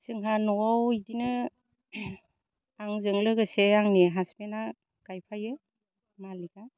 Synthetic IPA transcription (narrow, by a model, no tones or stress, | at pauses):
sɯŋɦanɔwawidinɯ | aŋzɯŋlɯɡɯseaŋneɦasbena | ɡ̥ajpʰajɯ | maliɡa